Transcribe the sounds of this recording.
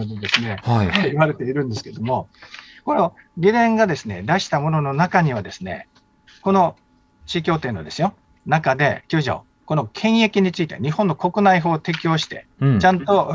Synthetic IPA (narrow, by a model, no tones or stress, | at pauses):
d̪ed̪e̞sɨne̞hiβaɾe̞t̪e̞iɾɯ̟̃nd̪e̞sɨ̥ke̞d̪o̞mo̞ko̞no̞ɡʲid̪ẽ̞ŋɡad̪e̞sɨne̞̰d̪aɕi̥t̪amo̞no̞no̞nakaɲ̟iβad̪e̞sɨne̞̰ | ko̞no̞ | t͡ɕiːkʲo̞ːt̪e̞nːo̞d̪e̞sɨjo̞ | nakad̪e̞̰kʲoːʑo̰ː | ko̞no̞kʰẽ̞ɰ̃je̞kʲiɲ̟it͡sɨit̪e̞̰ɲ̟ihõ̞nːo̞ko̞kɯ̟naiɦo̞ːt̪e̞kʲio̞ːɕi̥t̪e̞̰t͡ɕãnt̪o̞